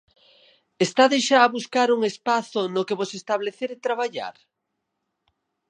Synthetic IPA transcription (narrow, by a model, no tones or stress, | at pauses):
est̪aðeʃaːβuskaɾuŋespaθʊnokeβosest̪aβleθeɾet̪ɾaβaʎa̰ɾ